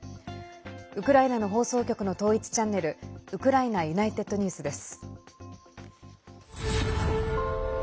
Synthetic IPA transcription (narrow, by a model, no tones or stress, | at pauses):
ɯ̟kɯ̟ɾainano̞ɦo̞ːso̞ːkʲo̞kɯ̟no̞t̪o̞ːit͡sɨ̥t͡ɕãnːe̞ɾɯ̟ɯ̟kɯ̟ɾainajɯ̟nait̪e̞t̪ːo̞ɲ̟ʲɯːsɨd̪e̞sɨ̥